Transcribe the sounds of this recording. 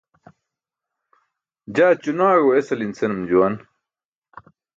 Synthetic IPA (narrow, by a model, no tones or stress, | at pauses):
d͡ʑaːt͡ɕunaːɣoesɐlint͡senɐmd͡ʑuwɐn